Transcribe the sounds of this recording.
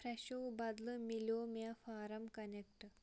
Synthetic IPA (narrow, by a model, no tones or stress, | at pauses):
pɾɛɕowbɐd̪lɨmilʲoːmeafaːɾɐmkɐnekʈ